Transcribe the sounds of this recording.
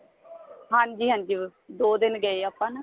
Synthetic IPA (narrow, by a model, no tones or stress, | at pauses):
ɦãːɲd͡ʒiːɦãːɲd͡ʒiːd̪oːd̪ɪnɡəeːaːpːãːnaː